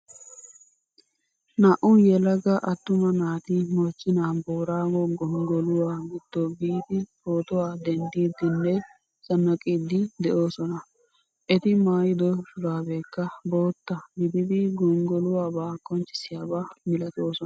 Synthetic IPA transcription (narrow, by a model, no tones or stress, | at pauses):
nɐʔʊjɛlɐɡɐʔɐt̪ːʊmɐnaːt̪ɪmɔt͡ʃʼːɪnaːboːɾaːwɔɡɔŋɡɔlʊwaːɡɪd̪̥ːɔbiːt̪ɪboːt̪ɔwaːd̪ɛnd̪iːd̪ːɪnːɛ | sɐnːɐkʼiːd̪ɪd̪ɛʔo̞ːsɔnɐ | ʔɛt̪ɪmaːjɪd̪ɔʃʊlaːbeːkːɐbo̞ːt̪ːɐɡɪd̪ɪd̪ɪɡɔŋɡɔlʊwaːbaːkːɔnt͡ʃʼɪ̥sɪjaːbaːmɪlɐt̪o̞ːsɔ